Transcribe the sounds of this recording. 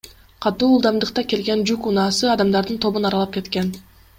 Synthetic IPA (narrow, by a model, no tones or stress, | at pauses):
qʰɑt̪uːlˠd̪ɑmd̪ɯqt̪ɑke̞lɡe̞nd͡ʒykunɑːsɯɑd̪ɑmd̪ɑɾd̪ɯnt̪ʰo̞βunɑɾɑlˠɑp̚ke̞t̪ke̞n